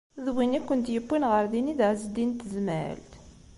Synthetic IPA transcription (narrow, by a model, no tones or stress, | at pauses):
ðwinikʷːənt̪jəbːinʁəɾðiniðəʕzəd̪int̪ːzməʕə̰lt̪